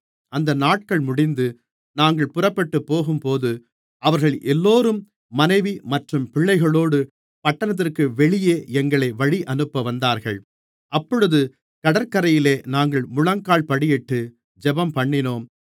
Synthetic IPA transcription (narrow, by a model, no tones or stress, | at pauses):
ɐnd̪ɐnaːʈ̚kɐɭmʊɽɪnd̪ɯ | naːŋɡɐɭpʊrɐpːɐʈːɯpːoːɣɯmpoːðɯ | ʔɐʋɐɾɣɐɭʔɛlːoːɾɯmː | ɐnɐɪʋimɐʈrɯmpɪɭːɐɪɣɐɭoːɽɯ | pɐʈːɐnɐt̪̬ːɪrkɯʋɛɭɪjeːɛŋɡɐɭɐɪʋɐɻiʔɐnɯpːɐʋɐnd̪aːɾɣɐɭ | ʔɐpːɔɻɯðɯ | kɐɽɐɾkɐɾɐjɪleːnaːŋɡɐɭmʊɭɐŋkaːɭpɐɽɪjɛʈːɯ | d͡ʒɛbɐmpɐɳːɪnoːm